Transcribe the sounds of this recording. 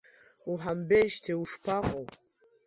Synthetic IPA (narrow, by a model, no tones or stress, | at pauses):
uħambeʃtʰeuʂpʰaqʼo